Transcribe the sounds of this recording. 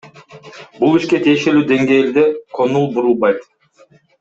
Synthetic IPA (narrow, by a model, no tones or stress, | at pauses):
bulˠiʃke̞t̪ʰijeʃe̞lyːd̪e̞ŋɡe̞ːld̪e̞kʰo̞nulˠbuɾulˠbɑjt̪